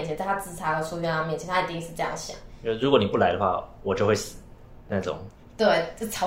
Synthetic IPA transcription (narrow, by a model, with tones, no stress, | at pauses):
t͡ɕʰɛ˧˦nt͡sa˥˧ɪt̪ʰa˥t͡sɹ̩˥˩t͡sʰa˥xɤ˧˩su˥˧ɥɛ˥˧nlɑ˥˧mjɛ˥˩t͡ɕʰjɛ˧˥nʰa˥˩ə˩t̪i˥˧˥ʂɻ̩˧ʈ͡ʂɤ˧jɑ˥˩ŋ˩ɕjɑ̰˨˩˦ŋ˥˩ɻu˧˥kwɔ˧˦ni˨˩pu˥˩la˧˥ɪd̪ə˧xwa̰˥˩wɔ˨˩t͡ɕjo˥˧ʊxwe˥˩ɪsɹ̩˨˩˦ | na˥˩ʈ͡ʂʊ̰˨˩˦ŋ | t̪we˥˩ɪ˥˩t͡sʰɑ˧˥